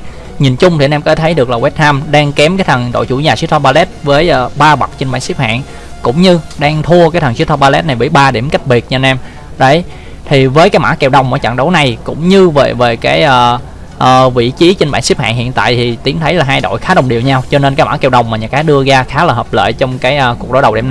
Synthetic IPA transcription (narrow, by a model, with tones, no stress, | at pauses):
ɲi˨˩nt͡ɕʊ˧ŋ͡mt̪ʰi˨˩˨nɛ˧mkɔ˧˦t̪ʰə˨˦jɗɨ˨˩ək̚laː˨˩wɛ˦˥t̚naː˧mɗaː˧ŋkɛ˨˦mkaː˨˦jt̪ʰə˨˩ŋɗo̰˧˨jt͡ɕu˧˩˦ɲaː˨˩si˦˥t̪ʰɔ˧ɓaː˧lɛ˦˥t̚vəː˨˦jʔəː˧˩ɓaː˧ɓa˨˩t̚t͡ɕe˧nɓa̰ː˧˨nsi˦˥p̚ha̰ː˧˨n | kʊ̰˧˥ŋ͡mɲɨ˧ɗaː˧ŋt̪ʰu˧əkaː˨˦t̪ʰə˨˩ŋsi˦˥t̪ʰɔ˧ɓaː˧lɛ˦˥t̚na˨˩jɓḭ˧˨˩ɓaː˧ɗi˧˩mka˦˥k̟̚ɓi˨˩ət̚ɲː˧nʔɛ˧m | zə˨˧˩j | t̪ʰi˨˩vəː˨˦jkaː˨˦jmʔaː˧˥kɛ˧˩wɗə˨˩wŋ͡mmaː˨˦t͡ɕa̰˧˨ŋɗə˨˦wna˨˩jkʊ̰˧˥ŋ͡mɲɨ˧vḛː˨˩ve˨˩kaː˨˦jʔəː˨˩ | ʔəː˨˩vḭ˧˨t͡ɕi˨˦t͡ɕe˧nɓa̰ː˧˨nsi˦˥p̚ha̰ː˧˨nhḭ˧˨ənt̪a̰ː˧˨jt̪ʰi˨˩t̪i˨˦ənt̪ʰə˨˦jla˨˩ɦaː˧jɗo̰˧˨jxaː˨˦ə˨˩wŋ͡mɗi˨˩əwɲaː˧wt͡ɕɔ˧ne˧nkaː˨˦jma̰ː˧˥kɛ˧˩wɗə˨˩wŋ͡mma˨˩ɲa˨˩kaː˨˦ɗɨ˧əzaː˧xaː˨˦laː˨˩həː˨˩p̚lə̰ː˧˨jt͡ɕɔ˧wŋ͡mkaː˨˦jʔəː˧˩ku˨˩ɗo̰˧˦ɗə˨˩wɗɛ˧˩n